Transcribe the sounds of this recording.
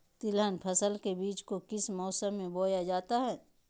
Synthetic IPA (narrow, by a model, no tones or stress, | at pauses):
t̪ɪlənpʰɐsəlkebiːt͡ʃkokɪsmɔːsəmːẽboːjad͡ʒaːt̪aɦɛː